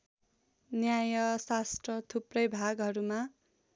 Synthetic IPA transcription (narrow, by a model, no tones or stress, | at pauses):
njajʌsasʈrʌt̪ʰuprʌjbʱaɡɦʌɾuma